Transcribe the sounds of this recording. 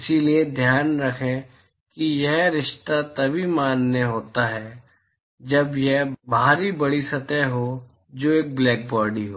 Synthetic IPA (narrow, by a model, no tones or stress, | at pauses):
ɪsilied̪ʱjaːnɾɐkʰẽ | kijɛɦɾɪʃt̪at̪ɐbʱimaːnːeɦoːt̪aɦɛː | d͡ʒɐbjɛɦbʱaːɾibɐɽisɐt̪əɦo | d͡ʒoːeːk̚blɛːk̚bɔːɖiɦoː